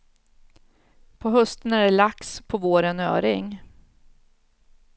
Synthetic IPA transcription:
pʰɔɦɵst̪ənæɖɛlakspʰɔvoːɾənø̰ːɾɪŋ

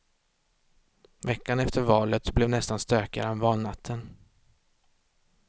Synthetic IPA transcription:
vɛkːanɛft̪ʰəɾvɑːlət̪blɛvnɛst̪anst̪øːka̰ɾɛnvɑːlnat̪ʰːən

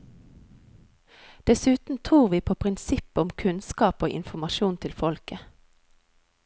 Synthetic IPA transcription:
d̪̥ɛsʉːt̪n̩t̪ʰʁuːʁʋiːpʰoːpʰʁɪnsɪpʊmkʰʉnskɑːpoːʔɪ̰nfɔmɑʃuːnt̪ʰɪlfɔlkə

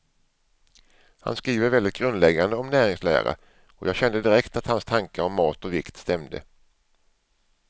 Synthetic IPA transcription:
ha̰nskɾiːvəɾvɛld̪ɪt̪̚ɡ̥ɾɵnd̪lɛɡːand̪əɔmnæːɾɪŋslæ̰ːɾa̰ | ʔɔjʔɑːɡɕɛnd̪əd̪ɪɾɛkt̪at̪hanst̪ʰaŋkəɔmːɑːt̪ɔvɪkt̪st̪ɛmd̪ə̰

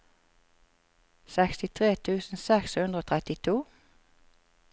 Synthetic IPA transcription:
sɛkst̪ɪt̪ʰʁeːt̪ʰʉːsn̩sɛkshʉnʁəoːt̪ʰʁɛt̪ɪt̪ʰuː

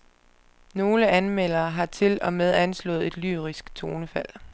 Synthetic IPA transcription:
no̝ːləænmel̰ɐːɦɑ̈t͡sʰe̝lɒ̽með̞ˠænslɔ̰̽ːð̞̩ˠe̝d̥ly̰ːʁisɡ̥t͡sʰo̝ːnəfæl̰

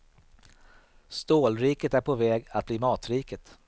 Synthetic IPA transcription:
st̪oːlɾiːkət̪æɾpʰovɛːɡat̪̚bliːmɑːt̪ɾiːkət̪

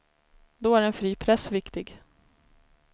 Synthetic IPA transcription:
d̪ɔæɾɛnfɾiːpʰɾɛsvɪkt̪ɪɡ

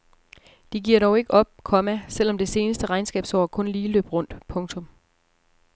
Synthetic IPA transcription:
d̥iɡ̥iɐ̰ɾɒʊe̝ɡ̥əɒ̽b̥̚kʰɒ̽mæsel̰ɒ̽md̥e̝se̝ːnəsd̥əʁɑ̈ɪnsɡ̥ɛ̰ːb̥sɒ̰ːkʰɔ̽nliːlø̰ːb̥ʁɔ̽n̰d̥pʰɔ̽ŋt͡sʰɔ̽m

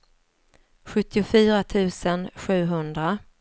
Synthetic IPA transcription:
ɧɵt̪ːɪʊfyːɾat̪ʰʉ̟ːsənɧʉ̟ːɦɵnd̪ɾa

